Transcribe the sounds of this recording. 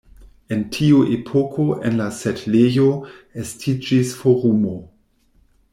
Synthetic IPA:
e̞ntʰiuʔepʰo̞kʰo̞ʔḛnlasetlejo̞estʰid͡ʒisfoɾumo

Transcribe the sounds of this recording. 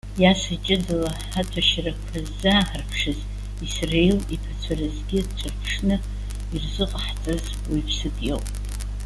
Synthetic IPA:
jasɨt͡ʃʼɪdɨla | ħatʷʰaʃrakʷʰazːaħarpʰʂɨz | isrejlipʰat͡ɕʷʰarɨzɡʲɪt͡ʃʷʰɨrpʰʂnɨ | irzɨqʼħt͡sʼɨz | wipʰsɨtʼjo̰wpʼ

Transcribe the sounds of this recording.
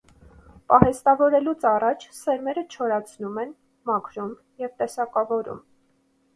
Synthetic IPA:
pɑhɛst̪ɑvɔɾɛlut͡sʰɑrɑt͡ʃʰsɛɾmɛɾət͡ʃʰɔɾɑt͡sʰnumɛn | mɑkʰɾum | jɛvt̪ɛsɑkɑvɔɾṵm

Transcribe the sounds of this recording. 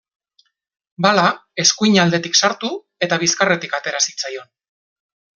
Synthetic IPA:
balae̞skuiɲald̪e̞t̪iksaɾt̪u | e̞t̪aβ̞iskare̞t̪ikat̪e̞ɾasit͡sajo̞n

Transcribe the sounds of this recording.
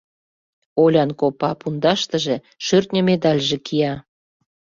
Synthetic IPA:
olʲɑnkopɑpund̪ɑʃt̪ə̆ʒĕ | ʃørt̪ʲnʲə̆med̪ɑlʲʒĕkʰijɑ

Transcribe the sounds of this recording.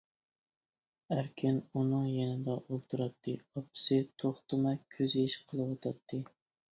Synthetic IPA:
æɾkʲʰɪnunɨŋjɛnɪd̪ɛʔolˠt̪ʰɨɾɑt̪ʰːɨɑpɪ̥sɪt̪ʰoχt̪ɨmɛkʲʰːøziʃqʰəlˠɨwɑt̪ʰɑt̪ʰːɨ

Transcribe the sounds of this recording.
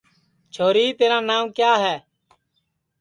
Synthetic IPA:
t͡ʃʰoːɾiːt̪eːɾãːnaːmkjaːɦɛː

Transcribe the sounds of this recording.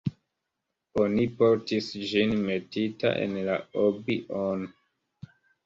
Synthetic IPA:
onipo̞ɾtisd͡ʒinme̞tita̰ʔḛnlaobiʔon

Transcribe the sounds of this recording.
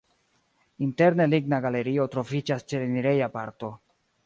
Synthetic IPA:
inte̞ɾne̞liɡnaɡale̞ɾio̞tɾo̞fid͡ʒast͡ʃe̞leniɾe̞japaɾto̞

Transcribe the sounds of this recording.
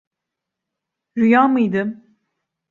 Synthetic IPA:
ɾyjamɯjd̪ɯm

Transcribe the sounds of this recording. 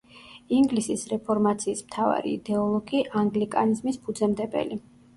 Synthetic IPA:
iŋɡlisisɾɛpʰɔɾmat̪sʰiːsmt̪ʰava̰ɾḭːd̪ɛɔlˠɔɡiʔaŋɡlikʼa̰nizmispʰud̪zɛmd̪ɛbɛ̰li

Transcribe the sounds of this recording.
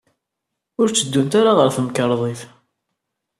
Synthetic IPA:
ʊɾt͡sːəd̪ːunt̪aɾaʁəɾθəmkəɾˤðˤiθ

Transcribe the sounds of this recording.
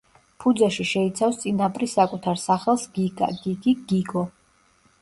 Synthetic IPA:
pʰud̪zaʃiʃɛit̪sʰafst̪sʼinapʼɾisakʼut̪ʰaɾsaχɛlˠsɡiɡ̰ɡiɡiɡiɡɔ

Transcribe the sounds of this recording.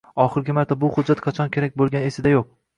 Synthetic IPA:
ɒχɪɾɡʲɪmaɾt̪ʰabʊχʊd͡ʒːat̪qʰɑt͡ʃʰɒnkʲʰe̞ɾak̚ʲbolˠɡʲane̞sɪd̪ajoq̚

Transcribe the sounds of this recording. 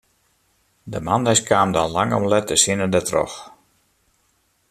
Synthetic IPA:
dəmandɛskʰaːmdɔnlaŋɔ̰mlɛtəsinədətrɔ̰x

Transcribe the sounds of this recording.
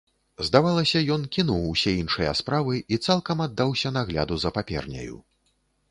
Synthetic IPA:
zd̪avalˠɐsʲɐjɔnkʲinuwsʲɛinʂɨjɐ̰spɾavɨit̪salˠkɐmad̪ːawsʲɐnaɣlʲa̰d̪uzɐpapʲɛ̰rnʲɐ̰jṵ

